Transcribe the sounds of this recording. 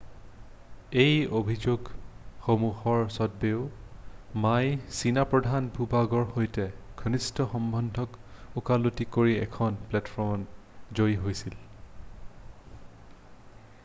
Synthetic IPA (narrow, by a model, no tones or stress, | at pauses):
ejobʱizoɡxomuhɔɹsɔd̚beʊ | majsinapɹɔdʱanbʱubaɡɔɹxojtɛkʰɔnistɔxɔmbʱɔndʱɔkukalutikoɹiɛ̰kʰɔnplɛtfʰɔmnzojɦojsil